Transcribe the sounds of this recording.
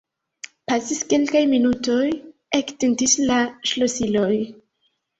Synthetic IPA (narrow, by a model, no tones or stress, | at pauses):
pasiske̞lkajminuto̞jektentislaʃlosilo̞j